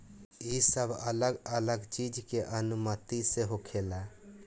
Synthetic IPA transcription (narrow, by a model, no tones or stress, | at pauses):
isəbʱələɡələɡt͡ʃid͡ʒkeʔənumət̪iseɦokʰela